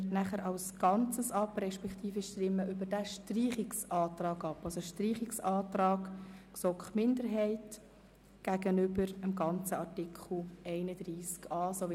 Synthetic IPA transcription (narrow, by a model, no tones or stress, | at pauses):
næχəɾɑʊsɡ̥ɑnt͡səsɑprɛʃpɛkχtiːfəʃtɾɪmːəʔʏbəɾdæʃtriːχɪksɑːtrɑːɡɑpɑlsoʃtriːχɪksɑːtrɑːɡksokχmɪndəɾɦɛɪt | ɡ̥æɡ̥ənʏbəɾəmɡɑnt͡səɑrtɪkχl̩ɛɪnəd̥riːskɑːsoʋɪ